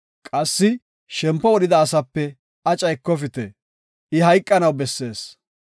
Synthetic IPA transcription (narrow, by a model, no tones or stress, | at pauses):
kʼɐsːɪ | ʃɛmpːɔwɔɗɪd̪ɐːsɐpːɛ | ɐt͡ʃʼɐjkːɔfɪt̪ɛ | ʔɪɦɐjkʼːɐnɐwbɛsːe̞ːs